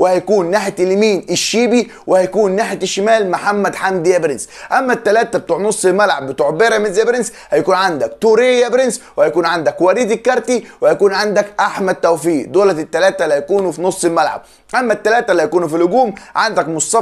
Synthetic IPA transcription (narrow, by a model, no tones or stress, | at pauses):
wɪhæjækuːnːaːħt̪lːmiːnʔɪʃːiːbi | wɪhæjækuːnːaħt̪ɪʃːɪmæːlmaħamːæd̪ħamd̪jæbɾɪnsʔæmːæt̪ːælæːt̪æbet̪uːʕnosˤːɪlmælʕabːɪt̪uːʕbeɾæmɪzæbɾɪns | hæjakuːnʕand̪ækt̪uːɾijæbɾɪnswɪhæjakuːnʕand̪ækwæɾiːd̪ɪkːɑɾˤt̪iwhæjækuːnʕand̪ækʔaħmæd̪̚t̪ːæwfiːd̪oːlæt̪ɪt̪ːælæːt̪ælhæjkuːnfinosˤːɪlmælʕa̰b̥̚ | ʔæmːæt̪ːælæːt̪ælːihæjækuːnfilʊɡuːmʕand̪ækmʊst̪ɑ